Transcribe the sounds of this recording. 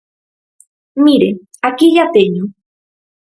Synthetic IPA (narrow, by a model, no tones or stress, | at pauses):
miɾe | akiʎat̪eɲo